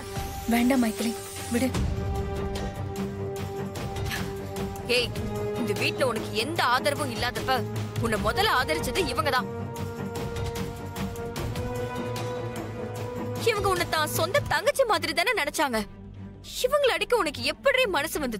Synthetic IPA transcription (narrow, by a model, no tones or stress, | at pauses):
ʋeːɳɖaːmɐɪk̪ːɐli | ʋɪɽɯ | eːɪnd̪ɐʋiːʈlɐʊnɐkːɯɛnd̪ɐaːðɐɾɐʋɐ̃ɪlːaːðɐpːɐʊnːɐmɔðɐlaːðɐɾɪt͡ʃːɐðɯɪʋɐŋɡɐt̪ãː | ɪʋɐŋɡɐʊnːɐt̪ːãːsɔnd̪ɐt̪ɐŋɡɐt͡ʃːɐmaːðɪɾit̪aːnɯnɐnɛt͡ʃːaːŋɡɐ | ɪʋɐŋɡɐɭɐɽɪkːɐ̃ʊnɐkːɯɛpːɐɽɪjemɐnɐsɯʋɐnd̪ɯð